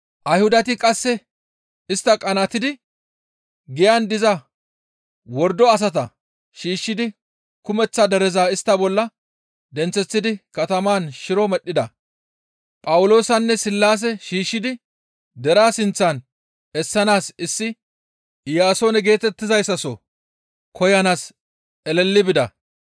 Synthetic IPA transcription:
ʔɐjhʊd̪ɐt̪ɪkʼɐsːɛ | ɪst̪ːɐkʼɐnɐt̪ɪd̪ɪ | ɡɪjɐnd̪ɪzɐ | wɔɾd̪ɔɐs̬ɐt̪ɐ | ʃiːʃːɪd̪ɪ | kʊmɛt͡sːɐd̪ɛɾɛzaːɪst̪ːɐbɔlːɐ | d̪ɛnt͡sːɛt͡sːɪd̪ɪkɐt̪ɐmaːnʃɪɾɔmɛɗːɪd̪ɐ | pʼɐwʊlo̞ːsɐnːɛsɪlːaːs̬ɛʃiːʃːɪd̪ɪ | d̪ɛɾaːsɪnt͡sːan | ɛsːɐnaːsɪsːɪ | jaːso̞ːnɛɡe̞ːt̪ɛt̪ːɪzɐjsːɐsɔ | kʰɔjɐnaːs | ɛlɛlːɪbɪd̪ɐ̰

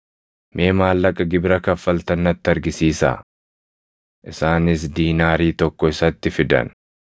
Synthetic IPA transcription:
mʔe̞ːmaːlːɐkʼɐɡɪbɾɐkɐfːɐlt̪ɐnːɐt̪ːɪɐɾɡɪsiːsa̰ː | ʔɪsaːnɪsd̪iːnaːɾiːt̪ɔkːɔɪsɐt̪ːɪfɪd̪ɐ̰n

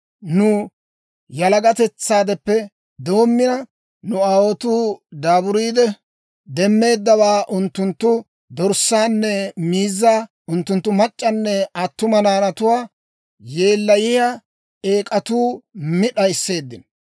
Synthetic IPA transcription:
nʊ | jɐlɐɡɐt̪ɛt͡sːaːd̪ɛpːɛ | d̪o̞ːmːɪnɐ | nʊaːwot̪uːd̪aːbʊɾiːd̪ɛ | d̪ɛmːe̞ːd̪ːɐwaːʔʊnt̪ːʊnt̪ːʊ | d̪ɔɾsaːnːɛmiːzːaː | ʊnt̪ːʊnt̪ːʊmɐt͡ʃʼːɐnːɛɐt̪ːʊmɐnaːnɐt̪ʊwaː | je̞ːlːɐjɪja | e̞ːkʼɐt̪uːmɪɗɐjɪsːe̞ːd̪ːɪn

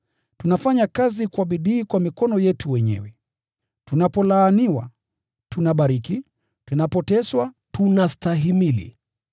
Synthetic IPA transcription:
tunafaɲakazikwaɓiɗiːkwamikɔnɔjɛtuwɛɲɛ̰wɛ | tunapɔlaːniwa̰ | tunaɓaɾiki | tunapɔtɛswa | tunastaɦimilḭ

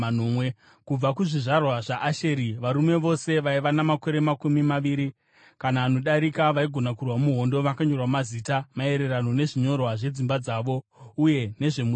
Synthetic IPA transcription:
nomwe | kub͡vakuʐiʐarwaʐaʔaʃe̞ɾiʋaɾume̞ʋo̞se̞ʋaiʋanamako̞ɾe̞makumimaʋiːɾi | kanaːno̞ɗaɾikaʋaiɡʱo̞nakurwamuɦo̞ndo̞ʋakaɲo̞rwamaziːtamae̞ɾe̞ɾano̞ne̞ʐiɲo̞rwaʐe̞d͡zimbad͡zaːʋo̞uje̞ne̞ʐe̞mu

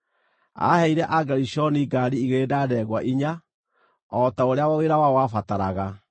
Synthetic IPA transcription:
a̰hɛiɾɛʔaɡaɾiʃɔniɡaɾiːɣedadɛɣwaʔiɲa | ɔtaoɾeawaweɾawawafataɾaɣa

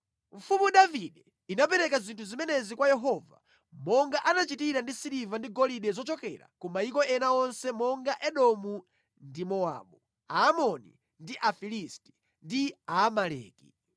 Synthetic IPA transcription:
ɱ̩fumuɗaviɗɛ | inapɛɾɛkazintʰuzimɛnɛzikwajɛɦɔva̰ | mɔŋɡaʔanat͡ʃitiɾandisiɾivandiɡɔliɗɛzɔt͡ʃɔkɛ̰ɾa̰kɔmaikɔɛnaɔnsɛmɔŋɡaʔɛɗɔmu | ndimɔa̰ɓu | aːmɔnḭ | ndiʔafilisti̥ | ndiaːmalɛ̰ːkḭ

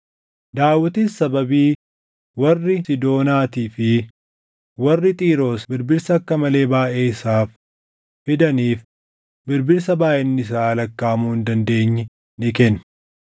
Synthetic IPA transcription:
d̪aːwːɐt̪iːsːɐbɐbiː | wɐrːɪsɪd̪o̞ːnaːt̪iːfɪ | wɐrːɪt̪ʼiːɾo̞ːsbɪɾbɪɾsɐːkːɐmɐle̞ːbaːʔe̞ːɪsaːfː | ɪd̪ɐniːf | bɪɾbɪɾsɐbaːjɛnːɪs̬aːɐlɐkːaːmuːhɪnd̪ɐnd̪e̞ːɲːɛ | nɪkɛn

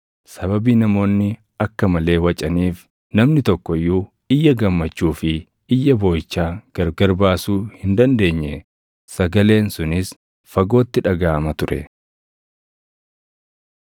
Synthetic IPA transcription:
sɐbɐbiːnɐmo̞ːnːɪ | ɐkːɐmɐle̞ːwɐt͡ʃʼɐniːf | nɐmnɪt̪ɔkːɔjːuː | ɪjːɐɡɐmːɐt͡ʃːuːfɪ | ɪjːɐbo̞ːjt͡ʃːaːɡ̥ɐɾɡɐɾbaːsuːhɪnd̪ɐnd̪e̞ːɲːɛ | sɐɡɐle̞ːnsʊnɪs | fɐɡo̞ːt̪ːɪᶑɐɡaːɐmɐt̪ʊɾʔɛ̰

